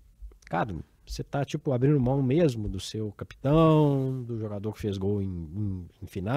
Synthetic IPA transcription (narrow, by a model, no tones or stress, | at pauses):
kaɾɐ | set̪at͡ʃipʊabɾĩnd̪ʊmɐ̃w̃mezmʊd̪ʊsewkapi̥t̪ɐ̃w̃d̪ʊʒoɡad̪oɾkɪ̥fezɡowẽj̃ẽj̃ẽfina